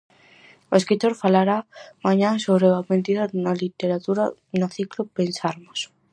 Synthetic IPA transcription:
oeskɾit̪oɾfalaɾamaɲãsoβɾeament̪iðanalit̪eɾat̪uɾanoθiklopensaɾmos

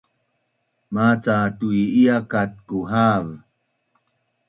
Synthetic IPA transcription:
mat͡satuiiakat̚kuɦav

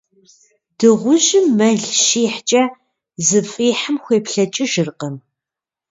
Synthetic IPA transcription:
d̥ɨʁʷʊʒɪmːɐɮʃiːħt͡ʃʼɐ | zɨfʼiːħəmxʷeːpɬɐt͡ʃʼɪʒɨrqəm

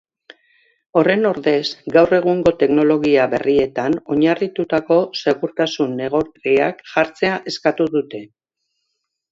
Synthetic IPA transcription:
o̞re̞no̞ɾðe̞zɡawre̞ɣ̞uŋɡo̞t̪e̞kno̞lo̞ɣ̞iaβe̞̰rie̞t̪ano̞ɲarit̪ut̪ako̞se̞ɣuɾt̪asunːe̞ɣ̞oɾriakʝaɾt͡se̞aʔe̞skat̪uðut̪e̞

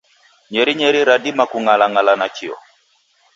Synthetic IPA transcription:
ɲɛɾiɲɛɾiɾadimakuŋalaŋalanat͡ʃiɔ̰

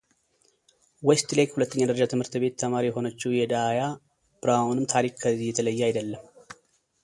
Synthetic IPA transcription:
west̪lekhulət̪ːəɲːad̪əɾəd͡ʒat̪ʰɨmhɨɾt̪ɨbe̞t̪ːʰəmaɾiɛɦo̞nət͡ʃːɪhjɛd̪aja | bɾawnɨmt̪ʰaɾikkʰːəzijːɛt̪ʰələjːajd̪əlːəm

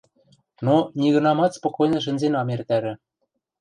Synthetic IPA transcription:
nonʲiɣɤ̆nɑmɑt̪spokojnɤ̆ʃ̬ɘ̆nʲzenɑmert̪æɾɘ̆

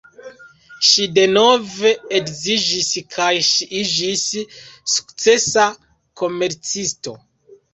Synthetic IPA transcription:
ʃide̞no̞ve̞ekzid͡ʒiskʰajʃiʔid͡ʒisː | u̥kt͡se̞sa | ko̞me̞ɾt͡sisto̞̰

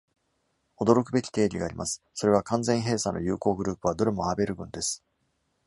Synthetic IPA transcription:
o̞d̪o̞ɾo̞kɯ̟be̞kʲi̥t̪e̞ːɾʲiɡaːɾʲimʔasɨ̥so̞ɾe̞β̞akãnzẽ̞ɰ̃ɦe̞ːsãnːo̞jɯ̟ːko̞ːɡɯ̟ɾɯ̟ːpɯ̟β̞ad̪o̞ɾɯ̟mo̞aːbe̞ɾɯ̟ɡɯ̟̃nd̪e̞sɨ̥

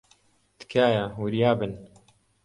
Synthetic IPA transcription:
t̪kʰaːjawɨɾjaːbɨn

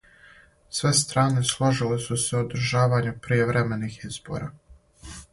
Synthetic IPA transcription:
sʋe̞st̪ɾaːne̞slˠoʒilesuseod̪ɾ̩ʒaːʋaːɲupɾijeʋɾʔeme̞nixiz̥bo̞̰ːɾaː

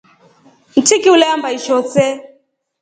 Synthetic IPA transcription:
n̩tʰikiulɛambaiʃɔt͡sɛ

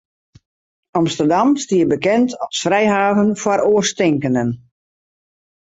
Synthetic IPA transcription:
ɑmstərdamstiəbəkɛntɔsfrɛjɦaːvənfwaɾoərstɪŋkənən

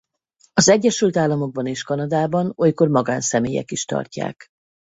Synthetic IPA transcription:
ɒzɛɟːɛʃylt̪aːlːɒmo̞ɡ̚bɒneːʃkɒnɒd̪aːbɒno̞jko̞rmɒɡaːnsɛmeːjɛ̰kiʃt̪ɒ̰rca̰ːk

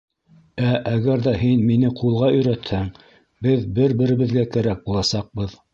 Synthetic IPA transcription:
æʔæɣæɾðæhinminɘqʰulˠʁɑɵ̆jɾæt̪hæŋ | bɘðbɘɾbɘ̆ɾɘ̆βɘ̆ðɡækæɾæk̚bulˠɑsɑq̚bɤð

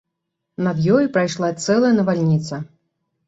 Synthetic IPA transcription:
navʲjɔjpɾajʂlˠat̪sɛlˠɐjɐnɐvalʲnʲit̪sɐ

